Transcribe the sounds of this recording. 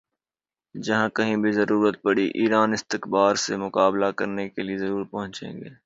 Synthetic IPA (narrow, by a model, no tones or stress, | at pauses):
d͡ʒɐɦãkɐɦĩbʱizɐɾuːɾət̪̚pɐɽiʔiːɾaːnɪst̪ɪkbaːɾsemʊkaːblakɐɾnekeliezɐɾuːɾpɐɦʊ̃t͡ʃḛ̃ːŋɡeː